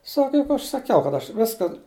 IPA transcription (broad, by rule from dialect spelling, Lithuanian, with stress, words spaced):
ˈsɑːkɐ ˈjʊk ˈɐʃ sɐˈkʲɛʊ kɐt ˈɐʃ ˈʋʲɪskɐ